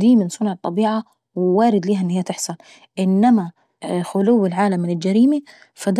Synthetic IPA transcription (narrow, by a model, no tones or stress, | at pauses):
d̪iːmɪnsˤʊnʕɑt̪ˤːɑbiːʕa | wɪwaːɾɪd̪liːɦaʔɪnːhiːat̪ɪħsˤɑn | ʔɪnːama | xʊluwːɪlʕaːlamːɪnɪld͡ʒaɾiːmi | fad̪